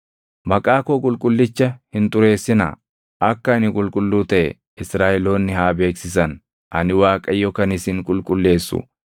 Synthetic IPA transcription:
mɐkʼaːkoːkʼʊlkʼʊlːɪt͡ʃːɐhɪnt̪ʼʊɾe̞ːsːɪnɐ̰ | ʔɐkːɐnɪkʼʊlkʼʊlːuːt̪ɐʔɛ̰ | ɪsɾaːʔɛlo̞ːnːɪhaːbe̞ːksɪsɐn | ʔɐnɪwaːkʼɐjɔkɐnɪsɪŋkʼʊlkʼʊlːe̞ːsːʊ̰

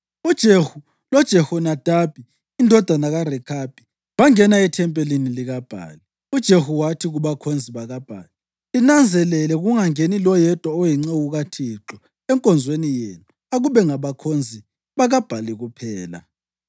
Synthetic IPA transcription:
ud̥ʒ̥ʱehu | lɔd̥ʒ̥ʱɛhɔnad̥ʱab̥ʱiː | ndʱɔd̥ʱanaɣarɛkʰab̥ʱi | βaŋɛnaɛtʰɛmpʼeliniliɣab̥ʱa̰ːli | ud̥ʒ̥ʱehuwatʰiɣuβakʰond͡zʱiβaɣab̥ʱa̰ːli | inand͡zʱɛlɛlɛɣuŋaŋenilɔjɛd̥ʱʼwɔɔjiŋ͡ǀeɣuɣatʰiǁɔ | ɛŋkʼɔnd͡zʱwenijenu | aɣuβɛŋaβakʰond͡zʱi | βaɣab̥ʱaliɣupʰɛːla̰

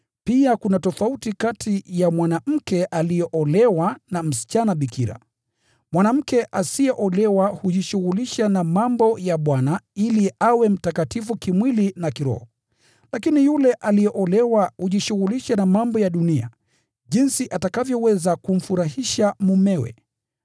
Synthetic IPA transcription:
piakunatɔfautikatʰijamwanam̩kɛʔalijɛʔɔlɛwanam̩si̥t͡ʃanaɓikiɾa̰ | mwanam̩kɛʔasijɛʔɔlɛwahuʄiʃuɣuliʃanamambɔjaɓwanailiawɛm̩takatifukimwilinakiɾɔ̰hɔ | lakinijulɛʔalijɛʔɔlɛwahuʄiʃuɣuliʃanamambɔjaɗunia̰ | ʄinsiʔatakavjɔwɛzakum̩fuɾahiʃamumɛwɛ̰

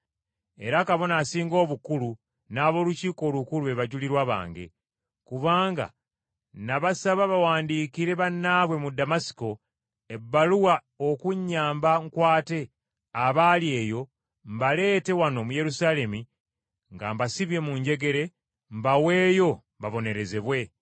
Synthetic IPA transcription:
e̞ɾakaβo̞naːsiːŋɡo̞ːβukulu | naːβo̞ːluciːko̞ːlukuluβe̞βaɟuliɾwaβa̰ːŋɡe̞̰ | kuβaːŋɡa̰ | naβasaβaβawaːndiːkiɾe̞βanːaβwe̞mudamasi̥ko̞ | e̞bːaluwa | okuɲːaːmbaŋkwaːte̞ | aβaːlie̞ːjo̞ | mbale̞ːte̞wano̞muje̞ɾusaːle̞mi | ŋɡa̰mbasiβje̞muɲɟe̞ɡe̞ɾe̞ | mbawe̞ːjo̞mbaβo̞ne̞ɾe̞zeβwe̞

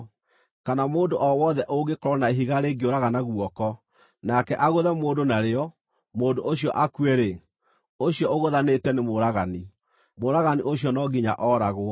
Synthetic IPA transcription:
kanamoːndoʔɔwɔðɛʔoɡekoɾɔnaeɦiɣaɾeːɡeoɾaɣanaɣwɔkɔ | nakɛʔaɣoðɛmoːdonaɾeɔ | moːndoʔoɕiɔʔakueɾe | oɕjɔoɣoðanetɛnemoɾaɣani | moɾaɣaniʔoɕjɔnɔɡiɲa̰ʔɔːɾaɣo

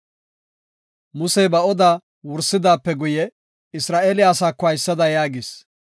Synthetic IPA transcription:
mʊsɛbɐɔd̪aː | wʊɾsːɪd̪aːpːɛɡʊjɛ | ɪsɾaːʔeːlɪjaːsaːkːɔɐjsːɐd̪ɐjaːɡɪs

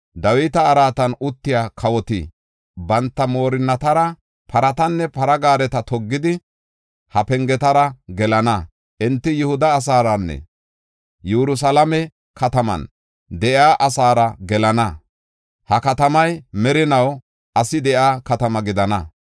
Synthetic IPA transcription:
d̪ɐwɪt̪ɐːɾaːt̪ɐnʊt̪ːɪjaːkʰɐwɔt̪ḭ | bɐnt̪ːɐmo̞ːɾɪnːɐt̪ɐɾɐ | pʰɐɾɐt̪ɐnːɛpɐɾɐɡaːɾɛt̪ɐt̪ɔɡːɪd̪ɪ | hɐpɛŋɡɛt̪ɐɾɐɡɛlɐnɐ | ʔɪnt̪ːɪjʊhʊd̪ɐːs̬aːɾɐnːɛ̰ | juɾʊs̬ɐlɐmɛ | kʰɐt̪ɐmɐ̰n | d̪ɛʔjaːʔɐsaːɾɐɡɛlɐnɐ | hɐkɐt̪ɐmɐjmɛɾɪnɐw | ʔɐsɪd̪ɛjaːkɐt̪ɐmɐɡɪd̪ɐnɐ

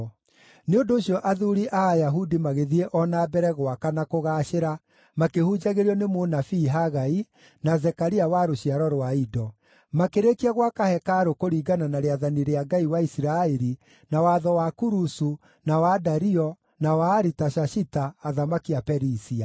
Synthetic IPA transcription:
neondoːɕjɔʔaðuɾiʔaːjaɦudimaɣeðieʔɔnabɛɾɛɣwakanakoɣaɕeɾa | makehud͡ʒaɣeɾiɔnemonafiːɦaɣai | nazɛkaɾiawaɾoɕiaɾɔɾwaidɔ | makeɾekiaɣwakahɛkaɾokoɾiːɡananaɾeaðaniɾeaɡaiwaisiɾaɛɾi | nawaðɔwakuɾusu | nawadaɾiɔ | nawaːɾitaʃaʃitaːðamakiapɛɾisia

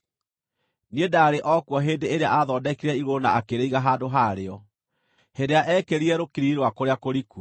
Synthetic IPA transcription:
niedaɾeʔɔkwɔɦeːndeeɾeaaðɔːdɛkiɾɛiɣonaakeɾeiɣaɦaːndoɦaɾeɔ | hedeaʔɛkeɾiɛɾokiɾiɾwakoɾeakoɾiku

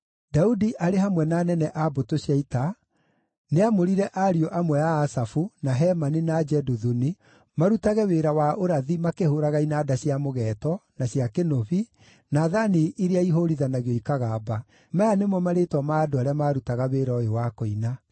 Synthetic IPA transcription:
daudiʔaɾeɦamwɛnaːnɛnɛʔabotoɕjaita | neamoɾiɾɛʔaɾiɔʔamwɛjaːsafunaɦɛmaninad͡ʒɛdoðuni | maɾutaɣɛweɾawaoɾaðimakehoɾaɣainaːdaɕjamoɣɛːtɔnaɕjakenoβi | naðaniʔiɾeaiɦoɾiðanaɣeɔikaɣaba | majanemwɔmaɾetwamaːdoaɾeamaːɾutaɣaweːɾaoewakoina

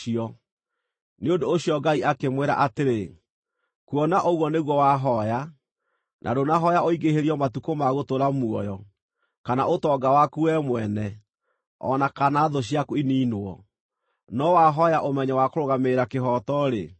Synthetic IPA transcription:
iɔ | neodoːɕiɔɡaiʔakemweɾa̰ʔateɾe | kuɔnaʔoɣwɔneɣwɔwaɦɔja | nʔa̰donaɦɔjaoiɡeɦeɾiɔmatukomaɣotoɾamuɔjɔ | kanaʔotɔɡawakuɛmwɛnɛ | ɔ̰nakanaðoɕ̬ijakuiniːnwɔ̰ | nɔwaɦɔjaʔomɛɲɛwakoɾoɣameɾakeɦɔtɔɾḛ

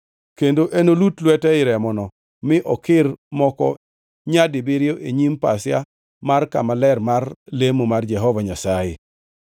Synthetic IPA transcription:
kendoʔenolutlwɛtɛɪɾɛmɔnɔ | mɪʔɔkɪrmɔkɔ̰ | ɲadɪbɪɾjoʔeɲimpasɪja | marka̰malɛrmarlemomard͡ʒɛɦɔvaɲasajɪ̰

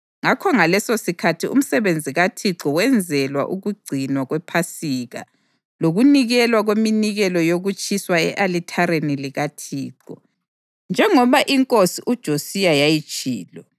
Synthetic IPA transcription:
ŋakʰɔŋalɛsosikʰatʰiṵm̩sɛβend͡zʱiɣatʰiǁɔwɛnd͡zʱɛlwa̰ʔuɣuɡ͡ǀʱinwaɣwɛpʰasiɣa̰ | loɣuniɣɛlwaɣweminiɣɛlɔjoɣut͡ʃʼʰiswaɛʔalitʰaɾeniliɣatʰiːǃɔ | nd͡ʒʱɛŋɔβaʔiŋkʼosiʔud̥ʒ̥ʱosijajajit͡ʃʼḭːlɔ

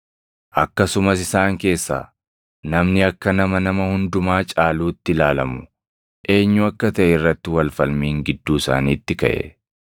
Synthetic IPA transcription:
ʔɐkːɐsʊmɐsɪsaːŋke̞ːsːa̰ː | nɐmnɪɐkːɐnɐmɐnɐmɐhʊnd̪ʊmaːt͡ʃʼaːluːt̪ːɪlaːlɐmʊ | ʔe̞ːɲːʊɐkːɐt̪ɐʔɛɪrːɐt̪ːɪwɐlfɐlmiːŋɡɪd̪ːuːɪsa̰ːniːt̪ːɪkɐ̰ʔɛ̰

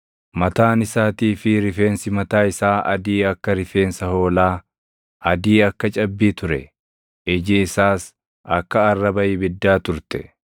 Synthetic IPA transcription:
mɐt̪aːnɪsaːt̪iːfɪɾɪfe̞ːnsɪmɐt̪aːɪsaːʔɐ̰d̪iːɐkːɐɾɪfe̞ːnsɐho̞ːlaː | ɐd̪iːɐkːɐt͡ʃʼɐbːiːt̪ʊɾɛ̰ | ɪd͡ʒɪɪsaːs | ɐkːɐɐrːɐbɐʔɪbɪd̪ːaːt̪ʊɾt̪ɛ̥̰

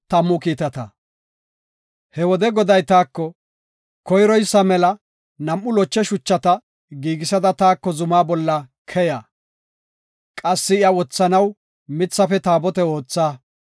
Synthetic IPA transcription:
t̪ɐmːʊkiːt̪ɐt̪ɐ̰ | hɛwɔd̪ɛɡɔd̪ɐjt̪aːkːɔ | kɔjɾɔjsːɐmɛlɐ | nɐmʔːʊlɔt͡ʃːɛʃʊt͡ʃːɐt̪ɐ | ɡiːɡɪsɐd̪ɐt̪aːkːɔzʊmaːbɔlːɐ | kʰɛjaː | kʼɐsːɪɪjɐwɔt͡sːɐnɐw | mɪt͡sːɐfɛt̪aːbɔt̪ɛo̞ːt͡sːaː

